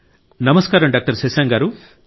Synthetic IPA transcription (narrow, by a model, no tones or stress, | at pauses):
nɐmɐskaːɾɐmɖaːk̚ʈɐɾsesaːŋɡaːɾu